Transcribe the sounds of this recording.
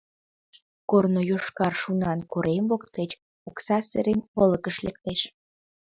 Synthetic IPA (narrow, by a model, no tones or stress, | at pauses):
kornojoʃkɑrʃunɑnkoɾʔemvokt̪et͡ɕ | oksɑsḛɾemoləkəʃlek̚t̪eʃ